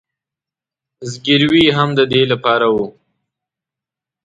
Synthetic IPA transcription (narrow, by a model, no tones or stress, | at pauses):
zɡiɾwiɦamd̪əd̪elapɑɾawu